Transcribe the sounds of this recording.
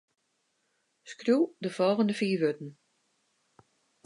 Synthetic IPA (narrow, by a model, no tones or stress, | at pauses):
skrjudəfɔlˠɣəndəfiːʋøtn̩